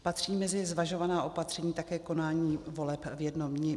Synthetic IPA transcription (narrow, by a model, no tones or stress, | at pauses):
pat̪r̝̥iːmɛzɪzvaʒovanaːʔo̞pat̪r̥ɛɲiːt̪akɛːko̞naːɲiːvo̞lɛpvjɛdnomɲɪ